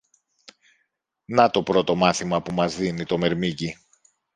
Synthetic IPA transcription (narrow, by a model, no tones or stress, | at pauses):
nɐt̪o̞pɾo̞t̪o̞mɐθimɐpumɐzðinit̪o̞me̞ɾmici